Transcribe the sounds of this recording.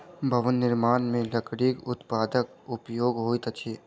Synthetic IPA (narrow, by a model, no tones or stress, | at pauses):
bʱɐʋənːɪɾmaːnmẽləkɽikʊt̪paːd̪ək̚ | ʊpjoːɡɦoːit̪ət͡ʃʰiː